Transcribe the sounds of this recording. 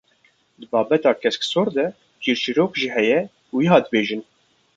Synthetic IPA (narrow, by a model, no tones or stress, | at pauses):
d̪ɨbɑːbɛt̪ɑːkʰɛsksoːɾd̪ɛ | kʰiːɾt͡ʃiɾoːkʒiːɦɛjɛ | wiɦɑːd̪ɨbeːʒɨn